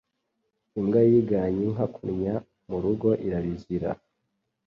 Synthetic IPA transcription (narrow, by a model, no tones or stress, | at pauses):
imɡajiɡaɲiŋɦakʰuɾɲa | muɾuɡo̞ʔiɾaβiziɾa̰